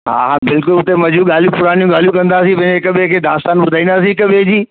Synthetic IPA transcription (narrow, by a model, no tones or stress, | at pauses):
ɦa̰ːɦabɪlkʊlʊt̪emɐd͡ʑũɠaːljũpʊɾaːnijũɡaːl̤ijũkɐ̃nd̪aːsĩpɐ̃ɦɪ̃ɲd͡ʑeɪkɐɓekʰeːd̪aːst̪aːnbʊd̪ʱaːĩnd̪aːs̬ĩɪkəɓẽd͡ʑiː